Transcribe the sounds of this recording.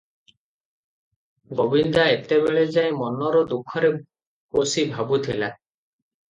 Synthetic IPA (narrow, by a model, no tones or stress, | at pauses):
bobind̪aet̪ebeɭed͡ʒaĩmɔnɔɾɔd̪ukʰɔɾe | kosibʱabut̪ʰila